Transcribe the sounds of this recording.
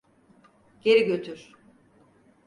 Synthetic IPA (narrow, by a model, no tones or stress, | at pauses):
ɟ̥e̞ɾiɟø̞t̪ʰyɾ̥